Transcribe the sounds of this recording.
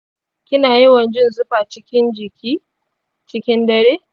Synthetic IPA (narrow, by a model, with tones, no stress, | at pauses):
kʲɪ˦naː˨jɪ˦wɐ˨nd͡ʒɪ˦nzʊ˦ɸaː˨t͡ʃɪ˦kʲɪ˦nd͡ʒɪ˨kʲʰiː˦ | t͡ʃɪ˦kʲɪ˦ndɐ˦ɽeː˦